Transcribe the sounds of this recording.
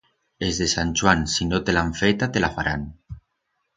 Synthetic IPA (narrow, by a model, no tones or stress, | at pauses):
ezðesanʲt͡ʃwansinot̪elaɱfet̪at̪elafaɾan